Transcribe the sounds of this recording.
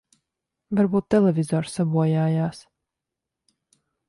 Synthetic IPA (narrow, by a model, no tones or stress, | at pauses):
vaɾbuːt̪ːɛlˠɛvʲizɔːɾsabuɔjaːjaːs